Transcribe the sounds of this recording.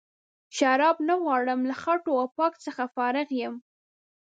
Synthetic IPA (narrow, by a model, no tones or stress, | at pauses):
ʃaɾɑbnaɣwɑɽəmlaxaʈoawpɑkt͡səxafɑɾɪɣjəm